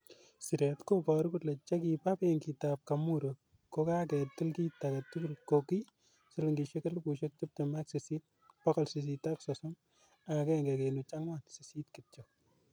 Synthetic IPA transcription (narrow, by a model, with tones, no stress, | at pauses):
si˨ɾɛtko˦pɔɾkutlɛ˨t͡ʃe˦ki˨pa˦pe˦ŋki˨tap̚kamu˦ɾo | ko˦ka˦kɛ˨tɪ˦lki˦taka˨tu˦ku˦lkoki˦ | sɪ˦lɪŋɡi˨ʃe˦ke˦lpu˨ʃe˦k̚t͡ʃɪ˦p̚tema˦ksi˨si˦t̚ | pɔ˦kɔ˨lsis̬ita˦ksɔsɔ˦m | a˨kɛ˦ŋɡe˨kenu˨t͡ʃa˦ŋwa˨nsisi˦tkɪt͡ʃɔ